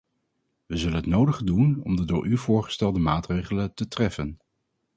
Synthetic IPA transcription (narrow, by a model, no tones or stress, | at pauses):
ʋəzɵlənɦətnowdəχədunɔ̰mdədʊ̰ːɹʔyvʊːɹχə̥stɛlˠdəmaːtrejχələtətrɛfən